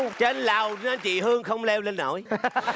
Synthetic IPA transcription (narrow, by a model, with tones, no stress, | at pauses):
t͡ɕe˧nlaː˨˩wa˧nt͡ɕḭ˨ɦɨ˧əŋxə˧wŋ͡mlɛ˧wle˧nːo̰˧˥j